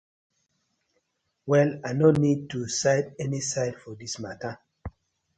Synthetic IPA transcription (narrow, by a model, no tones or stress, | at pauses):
wɛlajnonid̚tusaɪdɛnisaɪdfɔdismatə